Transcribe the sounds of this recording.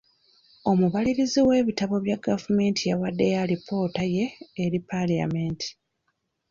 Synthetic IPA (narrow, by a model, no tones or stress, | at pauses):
o̞muβaliɾiziwe̞ːβitaβo̞βjaɡavume̞ːntʰijawadːe̞jalipʰo̞ːtaje̞ːɾipalia̰meːntʰi̥